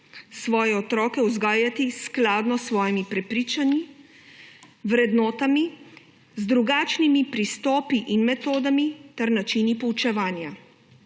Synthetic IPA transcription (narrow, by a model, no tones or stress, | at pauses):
sʋɔːjɛɔt̪ɾɔːkɛuzɡaːjat̪isklaːd̪nɔsːʋɔːjimipɾɛpɾiːt͡ʃanji | ʋɾɛd̪nɔːt̪ami | zd̪ɾuɡaːt͡ʃnimipɾist̪ɔːpiʔinmɛt̪oːd̪amit̪ɛɾnat͡ʃinipɔwt͡ʃɛʋaːnja